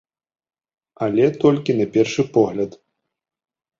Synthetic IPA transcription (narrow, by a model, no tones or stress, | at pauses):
ɐlʲɛt̪ɔlʲkʲinapʲɛrʂɨpɔɣlʲɐt̪